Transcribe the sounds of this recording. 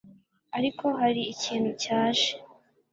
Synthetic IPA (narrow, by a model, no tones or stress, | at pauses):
aɾikʰo̞ɦaɾiːciːnhucaːʃe̥